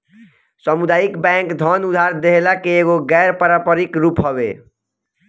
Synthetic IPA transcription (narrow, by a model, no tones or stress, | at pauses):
səmud̪ajikbɛ̃ŋkd̪ʱənud̪ʱaɾd̪eɦlakeːɡoɡɛɾpəɾapəɾikɾupɦəbḛ